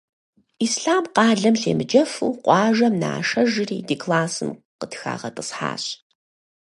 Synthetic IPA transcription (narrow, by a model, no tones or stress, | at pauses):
iːsɬaːmqɑːɮɐmɬeːmɨd͡ʒɐfɨwqʷɑːʒɐmna̰ːʂɐʒɪriːdikʰʼlaːsɨmqətxa̰ːʁɐtʼəsħa̰ːɕ